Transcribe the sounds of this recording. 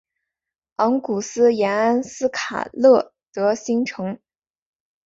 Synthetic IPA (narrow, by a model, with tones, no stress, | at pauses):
ɑ˧˥ŋku˨˩sɹ̩˥jɛ˧˥na˥nsɹ̩˥kʰa̰˨˩lɤ˥˩t̪ɤ˧˥ɕi˥ŋʈ͡ʂʰɤ˧˥ŋ